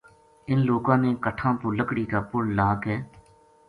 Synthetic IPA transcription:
ɪnloːkãːnẽːkəʈʰãːpʊːləkɽiːkaːpʊɽlaːkɦɛː

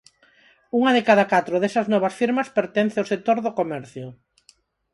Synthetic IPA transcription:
uŋɐðekaðɐkat̪ɾʊðesɐznɔβ̞ɐsfiɾmɐspeɾt̪ɛnθeʊsek̚t̪oɾðokomɛɾθjʊ

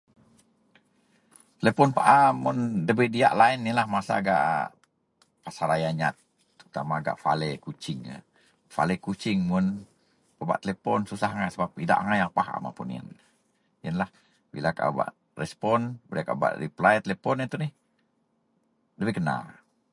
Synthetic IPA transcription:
t̪əlepɔnpaʔamʊndəbɛdia̰ʔlaɪnːilahmasa̰ːɡa̰ʔ | pasaɾajaɲat̪̚ | t̪ːɾut̪amaːɡa̰ʔfa̰lekut͡ʃɪŋ̰ | fa̰lekut͡ʃɪŋmʊn | pəba̰ʔt̪əlepɔnsusaɦaŋajsəbap̚ida̰ʔaŋajaŋpaha̰ma̰pṵnḭn | jənlah | bḭlakaba̰ʔ | rɛspɔnbədaka̰ba̰ʔɾḭplajt̪əlepɔnit̪unɪh | dəbɛɡəna̰

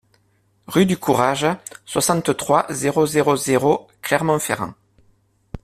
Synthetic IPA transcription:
ʁyd̪ykuʁaʒswasɑ̃t̪t̪χwazeʁozeʁozeʁoklɛʁmɑ̃fḛʁɑ̰̃

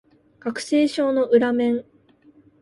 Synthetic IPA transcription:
ɡ̥akɯ̟̥se̞ːɕo̞ːno̞ʔɯ̟ɾamẽ̞ɴ

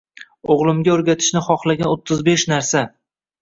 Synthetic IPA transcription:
oʁlˠɪmɡʲaoɾɡʲat̪ʰɪ̥ʃnɪχɒχlˠaɡʲanot̪ʰːɪzbeʃnaɾsa

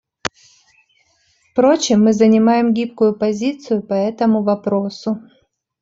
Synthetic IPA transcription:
fpɾo̞t͡ɕɪmːɨzənʲɪmajɪmɡʲip̚kʊjʊpɐzʲit̪sɨjʊpɐɛt̪əmʊvɐpɾo̞sʊ

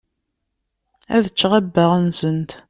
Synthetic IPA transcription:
æðət͡ʃːʁæbːəʁnsənt̪

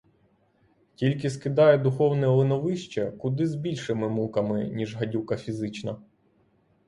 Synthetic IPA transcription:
tʲilʲkɪskɪd̪ɑjɛd̪ʊxɔwnɛɔlˠenɔʋɪʃt͡ʃɛkʊd̪ɪzbʲilʲʃɪmɪmukɐmɪnʲiʒɦɐdʲuwkɐfʲizɪt͡ʃnɐ

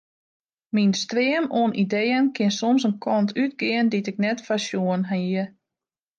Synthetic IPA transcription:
minstrɪəmoənʔidejənkʰɪnsomsənkʰɔntʰyt̚ɡɪənditɪk̚nɛtfasjuənɦanəə

